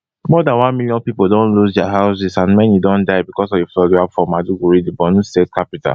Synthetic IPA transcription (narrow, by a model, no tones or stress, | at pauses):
mɔdãnwãnmiljɔ̃npipodõnlusdɛaɦaʊs̬isãnmɛ̃njidõndaɪbikɔsɔfeflɔɡuabfɔ̃maduɡuɹidibɔnustet̚kʰapita̰